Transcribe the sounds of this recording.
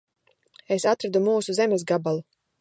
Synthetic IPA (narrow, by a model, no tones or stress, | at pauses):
esat̪ɾad̪umuːsuzɛmɛs̬ɡabalˠu